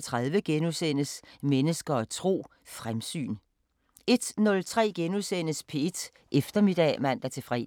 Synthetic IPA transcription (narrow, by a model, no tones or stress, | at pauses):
t͡sʰʁaðˠʋəɡ̥enuðˠsen̰əsmenəsɡ̥ɐɒt͡sʰʁo̝̰ː | fʁamsy̰ːn | e̝d̥nɔ̽lt͡sʰʁɛ̰ːɡ̥enuðˠsen̰əspʰe̝ed̥ | ʔefd̥ɐmid̥ɛ̰ːmæn̰d̥æɐt͡sʰe̝fʁɛ̰